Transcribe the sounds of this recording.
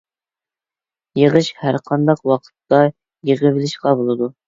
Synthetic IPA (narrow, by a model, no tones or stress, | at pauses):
jəʁɨʃhæɾqʰɑnd̪ɑqwɑqʰə̥t̪ːɑ | jəʁəvɪlɪʃqɑbolˠɨd̪u